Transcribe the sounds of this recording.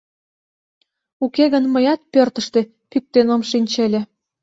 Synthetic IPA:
ukeɣə̆nməjɑt̪̚pørt̪ə̆ʃt̪e | pyk̚t̪enomʃinʲt͡ɕelʲĕ

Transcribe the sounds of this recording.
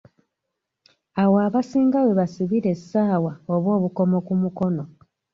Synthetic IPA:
awoaβasiːŋɡawe̞βasiβiɾe̞sːaːwaoβo̞ːβuko̞mo̞kumuko̞no̞

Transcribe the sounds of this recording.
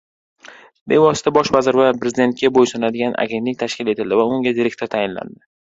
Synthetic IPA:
be̞vɒsɪ̥t̪ʰabɒʃvazɪɾvapɾezɪd̪e̞nt̪̚kʲabojsɒnad̪ɪɡʲanʔa̰ɡʲe̞nt̪ɪŋʲt̪ʰaʃkʲɪle̞t̪ʰɪld̪ɪvaʊŋɡʲad̪iɾe̞k̚ʲt̪ʰoɾt̪ʰajɪnla̰nd̪ɪ

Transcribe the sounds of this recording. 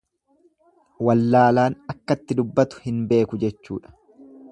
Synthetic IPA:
wɐlːaːlaːnɐkːɐt̪ːɪd̪ʊbːɐt̪ʊ̥hɪnbe̞ːkʊd͡ʒɛt͡ʃːuːᶑɐ̥

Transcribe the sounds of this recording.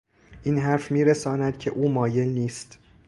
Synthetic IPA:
ʔiːnɦæɾfmiːɾesɒːnæd̪̥cʰe̞ʔuːmɒːje̞lniːst̪

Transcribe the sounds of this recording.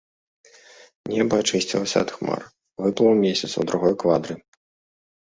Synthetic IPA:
nʲɛbɐat͡ʂɨsʲt͡sʲilˠɐsʲɐ̰ɐt̪xma̰r | vɨplˠɐwmʲesʲɐt̪swd̪ɾuɣɔjkvad̪ɾɨ

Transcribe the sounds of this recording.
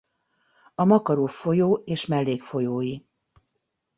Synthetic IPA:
ɒmɒkɒɾoːfo̞joːeːʃmɛlːeːkfojoːji

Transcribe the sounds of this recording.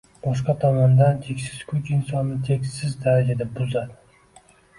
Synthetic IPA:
bɒʃ̬qɑt̪ʰɒmɒnd̪ant̪ʰekʲsɪz̥kʰʊt͡ʃɪnsɒnːɪt̪ʰe̞kʲsɪzd̪aɾad͡ʒad̪abʊzad̪ɪ̥

